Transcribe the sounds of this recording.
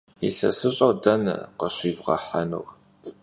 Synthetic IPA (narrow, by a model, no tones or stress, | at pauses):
ḭɬɐsɨɕʼɐdɐnɐ̰qəɕiːvʁɐ̰ħanṵːɣ